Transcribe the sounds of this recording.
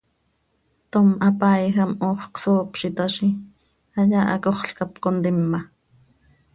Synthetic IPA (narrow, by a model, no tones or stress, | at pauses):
t̪omʔɑpaːjxɑmʔoːχksoːpʃit̪aʃi | ɑjaːʔɑ̰koχɬkapkont̪imːɑ